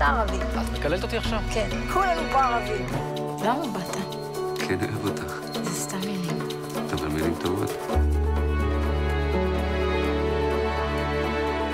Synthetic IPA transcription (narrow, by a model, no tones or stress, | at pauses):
aʁavitmekalelt̪aot̪iaχʃavkenkʰulempoaʁavi | lamabat̪ʰa | kʰenoʔevot̪ʰaχ | zest̪amːilim | at̪amamilimt̪ovo̰t̪